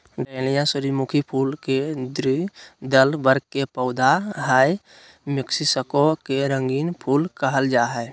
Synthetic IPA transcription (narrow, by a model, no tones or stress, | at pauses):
ɖeːlijãsʊɾimukʰipʰuːlked̪ɾid̪əlbəɾkkepəːd̪ʱaɦaːj | mɪksisəkokeɾə̃ŋɡiːnpʰuːlkəɦəld͡ʒaːɦɛː